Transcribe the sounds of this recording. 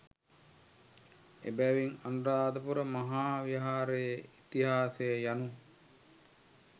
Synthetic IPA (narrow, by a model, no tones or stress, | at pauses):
ḛbæʋiŋanɾaːd̪əpuɾəmaɦaːʋiɦaːɾejəit̪iɦaːsejəjanu